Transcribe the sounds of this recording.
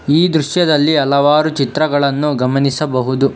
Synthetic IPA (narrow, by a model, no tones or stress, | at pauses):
iːd̪ɾuʃjɐd̪ɐlːiɐlɐʋaːɾut͡ʃit̪ɾɐɡɐɭɐnːuɡɐmɐnisɐbɐɦud̪u